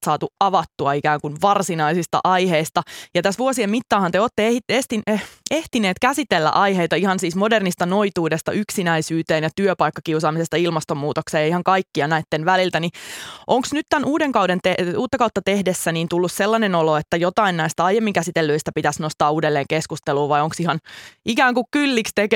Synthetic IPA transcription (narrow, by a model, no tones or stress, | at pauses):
sɑːt̪uɑʋɑt̪ːuɑikæːŋkunʋɑrsinɑisist̪ɑ̰ʔɑjheist̪ɑjɑt̪æsʋuosiemit̪ːɑːhɑnt̪eoːt̪ːeetest̪ieht̪ineːt̪kæsit̪elːæ̰ʔɑjheit̪ɑihɑnsiːsmodernist̪ɑnoit̪uːdest̪ɑ̰yksinæisyːt̪eːnjɑt̪yøpɑjkːɑkiusɑːmisest̪ɑilmɑst̪omːuːt̪okseːjɑihɑŋkɑjkːiɑnæit̪ːenʋælilt̪æniʔoŋksnyt̪t̪ænuːdeŋkɑwdent̪euːt̪ːɑkɑwt̪ːɑt̪ehdesːæniːnt̪ulːusselːɑnenoloet̪ːæjot̪ɑinnæist̪æɑjemːiŋkæsit̪elːøist̪æpit̪æsnost̪ɑːuːdelːeːŋkeskust̪eluːʋɑjoŋksihɑnʔikæːŋkukkylːikst̪ek